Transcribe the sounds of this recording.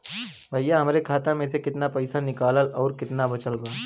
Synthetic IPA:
bʱajːaɦəmɾekʰaːt̪ãmẽsekɪt̪napɐɪsanɪkaːləlɔːɾkɪt̪nabɐt͡ʃəlbaː

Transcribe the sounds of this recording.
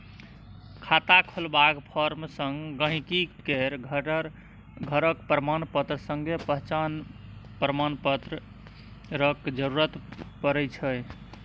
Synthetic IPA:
kʰat̪akʰolbakpʰəɾmsəŋɡɡə̃ɦĩkikeɾɡʱɾ | ɡʱəɾəkpɾəmanpət̪ɾəsəŋɡepəɦt͡ʃanpɾəmanpət̪ɾə | ɾəkd͡ʒəɾuɾət̪pəɾɛt͡ʃʰəj

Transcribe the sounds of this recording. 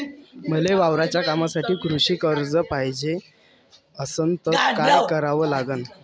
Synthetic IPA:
m̤əleʋaʋɾat͡ɕjakamasaʈʰiːkɾuɕiːkəɾd͡zəpajd͡ʑe | əsənt̪ətkajkəɾaʋəːlaɡən

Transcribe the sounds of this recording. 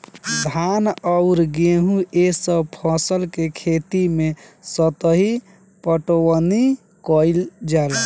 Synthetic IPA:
d̪ʱanɔʊɾɡeɦũesəbpʰɔsəlkekʰet̪imesət̪əɦi | pəʈowəni | kɔld͡ʒal

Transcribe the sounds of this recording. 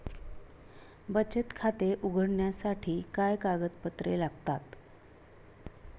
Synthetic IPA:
bət͡ɕət̪kʰat̪eʔuɡʱəɽɳjasaʈʰiːkajkaɡət̪pət̪ɾelaɡt̪at̪

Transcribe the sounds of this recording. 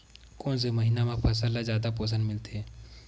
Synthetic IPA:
koːns̬eməɦinamẽpʰɐs̬əlːazjaːd̪ap̬oːs̬ə̃nmɪlt̪eɛː

